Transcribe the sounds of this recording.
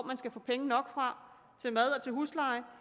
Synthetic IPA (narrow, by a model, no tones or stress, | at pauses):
mænsɡ̥æfɔ̰̽ːpʰeŋənɒ̽ɡ̥fʁɑ̈ | t͡sʰe̝lmæð̞ˠɒ̽t͡sʰe̝lɦuslɑ̈ɪ